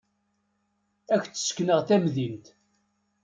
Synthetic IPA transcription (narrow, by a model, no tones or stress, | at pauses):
æçt͡sːə̥skːnəʁθæmðint̪